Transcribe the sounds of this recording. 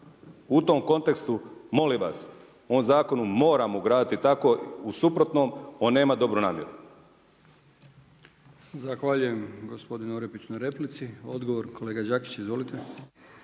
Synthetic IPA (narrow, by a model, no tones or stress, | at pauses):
ut̪o̞mko̞nt̪e̞kst̪umo̞limʋa̰s | omzaːko̞numo̞ːɾamouɡɾaːd̪it̪it̪ako̞usupɾo̞t̪no̞mo̞nːe̞ːmad̪o̞bɾunaːmjeɾu | zaxʋaːʎuje̞mɡospo̞d̪inoɾepit͡ɕunaɾe̞plit̪siod̪ɡoʋoɾkʰoleːɡad͡ʒaːki̥t͡ɕizʋo̞lit̪e